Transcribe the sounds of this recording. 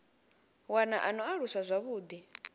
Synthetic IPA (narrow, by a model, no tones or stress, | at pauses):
wanaʔanɔaɺusazʷaβuːd̪i